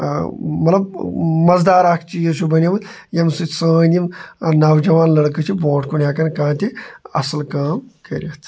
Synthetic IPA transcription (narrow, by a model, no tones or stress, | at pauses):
mɐt̪lɐb̚mɐzd̪aːɾaːkʰt͡ʃijɐʃubɐnʲiʋɐn | jɐmsɨsãːnʲimnɐwd͡ʒɐʋaːnlɐɽkɨt͡ʃʰibõːʈʰkunʲjaːkɐnkãːt̪ʲiɐ̰sɐlkaːmkɐɾʲɐt̪ʰ